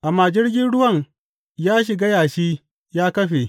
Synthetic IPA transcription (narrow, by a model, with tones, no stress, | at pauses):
ʔa˨maː˨d͡ʒɪ˦rɡʲɪ˦nɽʊ˦wɐ˦˨ŋ | jaː˦ʃ̬ɪ˨ɡa˦jaː˨ʃiː˦ | jaː˦kɐ˦ɸe˨